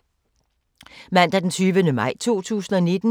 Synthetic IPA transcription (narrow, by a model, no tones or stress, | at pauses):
mæn̰d̥æd̥ent͡sʰyːʋənəmɑ̈ɪ̰t͡sʰo̝̰ːt͡sʰṵːsn̩ɒne̝d̥n̩